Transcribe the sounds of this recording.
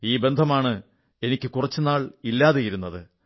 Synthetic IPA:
iːbe̞nd̪ʱɐmaːɳɨ | e̞nikʲːɨkurɐt͡ɕːɨnaːɭilːaːðejiɾun̪ːɐðɨ

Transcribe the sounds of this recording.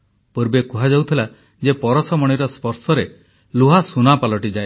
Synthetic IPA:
puɾbekuɦad͡ʒawt̪ʰila | d͡ʒepɔɾɔsɔmɔɽ̃iɾɔspɔɾsɔɾe | luɦasunapalɔʈid͡ʒae

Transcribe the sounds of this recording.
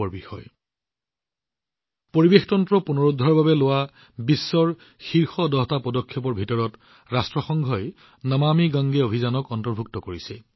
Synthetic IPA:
ɔɹbixɔ̰j | poɹibextɔntɹɔpunɔɹudʱːɔɹbabɛlowa | bisːɔɹ | xiɹxɔdɔɦtapɔdɔkʰːjɔpɔɹbʱitɔɹɔt | ɹastɹɔxɔŋɡʱɔj | namamiɡaŋɡɛobʱizanɔkɔntɔɹbʱuk̚tɔkoɹisɛ

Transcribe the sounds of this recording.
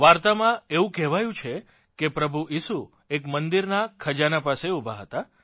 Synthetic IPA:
ʋaɾt̪amãeʋũkɛɦʋajũt͡ʃʰe | kepɾəbʱuisu | ekmənd̪iɾnakʰəd͡ʒanapaseubʱa̰ɦət̪a

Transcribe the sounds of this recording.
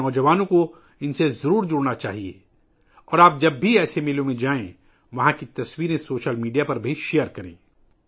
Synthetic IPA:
ɔːd͡ʒɐʋaːnõko | ɪnsezɐɾuːɾd͡ʒʊɽnat͡ʃa̰ːɦiḛː | ɔːɾaːp̚d͡ʒɐbːʱiɛːsemelõmẽd͡ʒaːẽ | ʋɐɦãkit̪ɐswiːɾẽsoːʃəlmiːɖijapɐɾbʱiʃeːəɾkɐɾḛ̃ː

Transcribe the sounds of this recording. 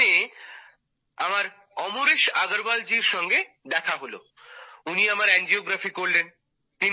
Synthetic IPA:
e | amaɾ | ɔmoɾeʃaɡoɾbald͡ʑiɾʃɔŋɡe | d̪ɛkʰaɦolo̰ | uniamaɾɛnd͡ʑioɡɾafikoɾlen | t̪in

